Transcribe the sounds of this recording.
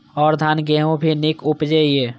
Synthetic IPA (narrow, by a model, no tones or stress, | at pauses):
ɔːɾd̪ʱanɡeɦõbʱinikupd͡ʒeje